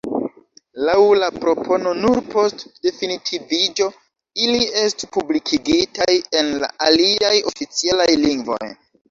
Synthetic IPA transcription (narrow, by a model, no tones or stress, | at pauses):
lawlapɾo̞pʰo̞no̞nuɾpo̞stde̞finitʰivid͡ʒo̞ | ilie̞stipublikʰiɡitaje̞nla̰ʔaliajo̞fit͡sialajliŋɡvo̞̰j